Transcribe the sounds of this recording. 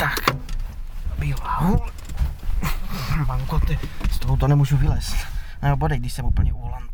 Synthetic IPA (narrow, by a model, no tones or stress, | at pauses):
t̪ak | bilaul | maŋkɔt̪st̪ɔɦut̪onɛmuːʒuvilɛst̪ | abɔdɛjɡd̪iʃsɛmupl̩ɲɛulan